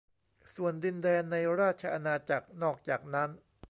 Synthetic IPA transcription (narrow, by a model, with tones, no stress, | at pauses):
su˨˩əndi˧ndɛː˧nːa˧jɾaː˥˩t̪̚t͡ɕʰa˧ʔa˧naː˧t͡ɕa˨˩k̚nɔː˥˩k̚t͡ɕaː˨˩k̚na˦˥n